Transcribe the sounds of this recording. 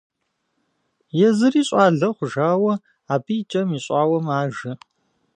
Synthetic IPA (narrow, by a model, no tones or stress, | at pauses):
jɛzɨriːɕʼaːɮɐχʷʊʒaːwɐ | aːbijt͡ʃʼɐmiːɕʼaːwɐmaːʒɐ